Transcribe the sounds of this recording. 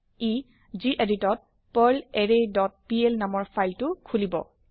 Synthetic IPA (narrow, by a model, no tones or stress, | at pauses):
i | ziʔeditɔt̚ | pɔlɛɹedɔt̚pielnamɔɹpʰajltʊkʰulibɔ̰